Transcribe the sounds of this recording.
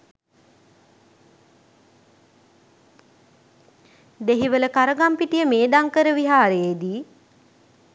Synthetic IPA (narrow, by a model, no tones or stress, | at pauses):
d̪eɦiʋələkaɾəɡampiʈijəmeːd̪aŋkəɾəʋiɦaːɾejed̪iː